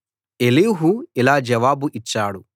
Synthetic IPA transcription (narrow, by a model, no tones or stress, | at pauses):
eliːɦuilaːd͡ʒɐʋaːbuʔit͡ʃːaːɽu